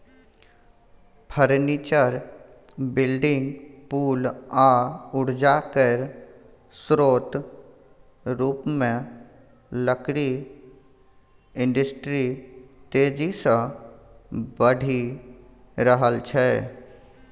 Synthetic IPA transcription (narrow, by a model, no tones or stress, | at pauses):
pʰəɾniːt͡ʃəɾ | bɪlɖɪ̃ŋɡpuːlaːʊɽ̤d͡ʒaːkəɾ | sɾoːt̪ | ɾuːpmẽ | ləkɽi | ɪ̃ɳɖəsʈɾit̪eːd͡ʒisə | bəɽʱi | ɾəɦəlt͡ʃʰɛː